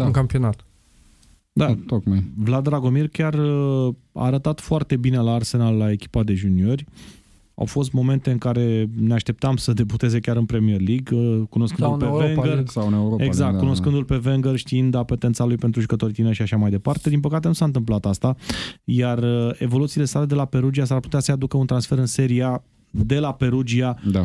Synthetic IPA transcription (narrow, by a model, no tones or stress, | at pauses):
ŋkampionat̪ | d̪at̪ok̚majvlad̪ɾaɡo̞mirkʲarə | a̰ːɾət̪at̪foart̪e̞bine̞laːrse̞nalːae̞kʲi̥pad̪e̞ʒunio̞rʲ | a̰wfo̞s̬t̪mo̞me̞nt̪e̞ɨŋkaɾe̞neaʃt̪e̞p̚t̪amsəd̪e̞but̪e̞ze̞kʲaɾɨnpɾe̞mije̞rliɡkuno̞skɨnd̪ulpeveŋɡəneoeɡzak̪̚kːuno̞skɨnd̪ulpe̞veŋɡərʃt̪iind̪apet̪ensalujpe̞nt̪ɾuʒukət̪o̞ɾʲit̪inəʃiaʃamajd̪e̞part̪e̞d̪inp̬əkat̪e̞nusaɨnt̪̬ɨmp̬lat̪ast̪ajarəe̞̰vo̞lut̪siːle̞sale̞d̪e̞lape̞ɾud͡ʒias̬arput̪easəjad̪ukəunt̪ɾansfe̞ɾɨnse̞ɾia | d̪e̞lape̞ɾud͡ʒiaa